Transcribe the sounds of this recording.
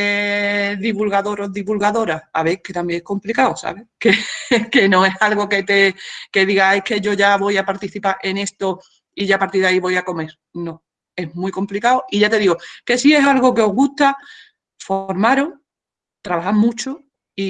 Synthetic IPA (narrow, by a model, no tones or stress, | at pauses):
eðiβulɣaðo̞ɾoðiβulɣaðo̞ɾaa̰βeke̞t̪ambjeŋeko̞mplikawosa̰β̞e̞kekenõ̞e̞salɣo̞ke̞t̪e̞ke̞ðiɣaeke̞ʝo̞ʝaβo̞japaɾt̪iθipaɾʔe̞ne̞st̪o̞ | iʝapaɾt̪iɾðaiβo̞jako̞me̞ɾ | nõ | e̞smwiko̞mplikaoʔiʝat̪e̞ðiɣoke̞sie̞salɣo̞ke̞o̞ɦɣuht̪a | foɾmaɾo | t̪ɾaβahaɾmũt͡ʃo | i